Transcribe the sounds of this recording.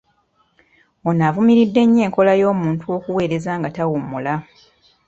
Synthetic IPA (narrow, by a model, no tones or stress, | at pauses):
onaːvumiɾidːe̞ɲːe̞ːŋko̞lajo̞ːmuːntuo̞ːkuwe̞ːɾe̞zaːŋɡatawumula